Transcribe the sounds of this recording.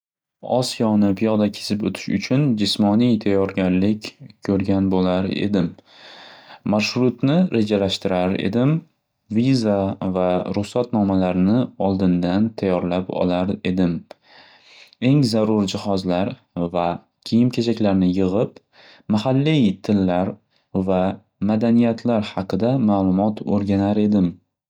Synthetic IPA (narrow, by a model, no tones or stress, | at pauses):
ɒ̰sijɒnɪpʰijɒd̪akʲʰe̥sɪpɵ̰t̪ʰɪ̥ʃʊt͡ʃʰʊnd͡ʒɪsmɒnijt̪ʰajːɒɾɡʲaɾlɪkʲkʰɵɾɡʲanbolaɾḛd̪ɪm | aʃɾʊt̪nɪɾe̞d͡ʒalaʃt̪ɪɾaɾe̞̰d̪ɪm | vizavaɾʊχsat̪nɒmalaɾnɪɒlˠd̪ɪnd̪ant̪ʰajːɒɾlapɒ̰laɾe̞d̪ɪm | e̞ŋzaɾʊɾd͡ʒɪhɒzlaɾ | va | kʲʰijɪmkʲʰet͡ʃʰakʲlaɾnɪjɨʁɨp | maɦalːijt̪ʰɪlːaɾ | va | mad̪anijat̪ʰlaɾhɑqɨd̪amaːlˠʊmɒt̪ʰoɾɡʲanaɾe̞d̪ɪm